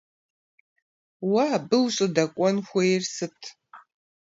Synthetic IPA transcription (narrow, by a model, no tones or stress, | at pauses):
wabɨwɕʼɪdɐkʷʼɔnxʷɔjrsɨtʰ